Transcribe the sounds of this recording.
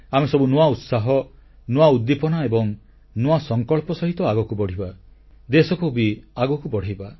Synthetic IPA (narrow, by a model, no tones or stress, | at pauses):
amesɔbunuwaut̪saɦɔ | nuaud̪ːipɔnaebɔŋ | noasɔŋkɔɭpɔsɔɦit̪ɔaɡɔkubɔɽ̤iba | d̪esɔkubiaɡɔkubɔɽ̤ʱajba